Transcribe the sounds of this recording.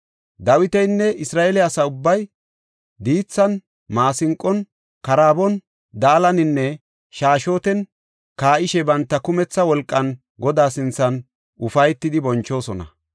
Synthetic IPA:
d̪ɐwɪt̪ɛjnːɛʔɪsɾaːʔɛlɪɐsɐʊbːɐj | d̪iːt͡sːɐn | maːsɪŋkʼːɔn | kɐɾaːbɔn | d̪aːlɐnɪnːɛ | ʃaːʃo̞ːt̪ɛn | kaːʔɪʃɛbɐnt̪ːɐkʊmɛt͡sːɐwɔlkʼːɐn | ɡɔd̪aːsɪnt͡sːɐn | ʔʊfɐjt̪ːɪd̪ɪbɔnt͡ʃːo̞ːsɔnɐ̰

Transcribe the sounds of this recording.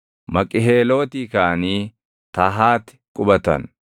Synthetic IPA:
mɐkʼɪɦeːlo̞ːt̪iːkaːniː | t̪aɦaːt̪ɪ̥kʼʊbɐt̪ɐ̰n

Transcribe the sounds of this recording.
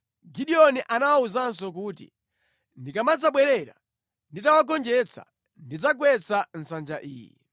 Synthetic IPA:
ɡiɗiɔniʔanawauzans̬ɔk̬uːtḭ | ndikamad͡zaɓwɛɾɛɾa̰ | nditawaɡɔnd͡ʒɛt͡sʰa̰ | ndid͡zaɡ̬wɛt͡sʰan̩sand͡ʒaʔiːjɛ̰

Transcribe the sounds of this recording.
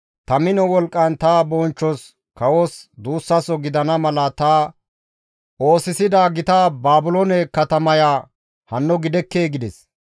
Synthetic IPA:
t̪ɐmɪnɔwɔlkʼːɐnt̪aːbɔnt͡ʃːɔs | kɐwɔsd̪uːsːɐsɔɡɪd̪ɐnɐmɐlɐt̪aː | o̞ːsɪsɪd̪aːɡɪt̪aːbaːbʊlɔnɛkɐt̪ɐmɐjaː | hɐnːɔɡɪd̪ɛkːe̞ːɡɪd̪ɛs

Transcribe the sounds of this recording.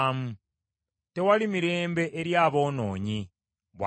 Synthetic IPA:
mu | te̞walimiɾe̞ːmbe̞ʔeɾjaːβo̞ːno̞ːɲi | βwa

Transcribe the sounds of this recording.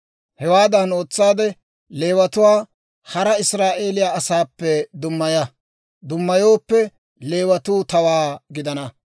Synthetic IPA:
hɛwaːd̪ɐno̞ːt͡sːaːd̪ɛ | le̞ːwɐt̪ʊwaː | hɐɾɐɪsɾaːʔe̞ːlɪjaːɐsaːpːɛd̪ʊmːɐjɐ | d̪ʊmːɐjo̞ːpːɛ | le̞ːwɐt̪uːt̪ɐwaːɡɪd̪ɐnɐ

